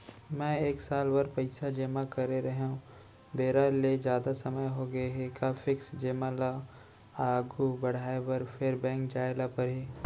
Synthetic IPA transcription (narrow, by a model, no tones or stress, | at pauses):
mɛ̃ːeːksaːlbɐɾpɐɪsad͡ʒeːmakɐɾeɾɐɦɦũ | beːɾaled͡ʒjaːd̪asɐməjɦoɡɐeɦɛkaːfɪksd͡ʒeːmala | aːɡubɐɽ̤aːebɐɾfʰeːɾbɛ̃ːŋkd͡ʒaːɪlapɐɾɦiː